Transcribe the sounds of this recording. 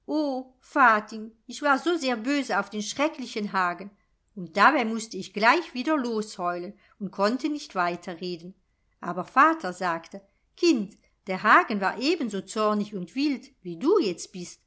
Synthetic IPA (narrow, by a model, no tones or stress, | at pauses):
ʔoː | faːtɪŋɪçv̥aːɐzoːzeːɐbøːzəaʊfd̥eːnʃʁ̥ɛklɪçənɦaːɡən | ʊnt̚d̥abaɪmʊstəɪçɡ̥laɪçv̥iːdɐloːshɔʏlən | ʊnt̚kʰɔntʰənɪçtv̥aɪtʰɐʁeːdən | ʔa̰ːbɐfaːtʰɐzaːktə | kʰɪnt | d̥eːɐɦaːɡənva̰ːɐʔeːbənzoːt͡sɔʁnɪçʊntv̥ɪltviːduːjɛt͡st̚b̥ɪst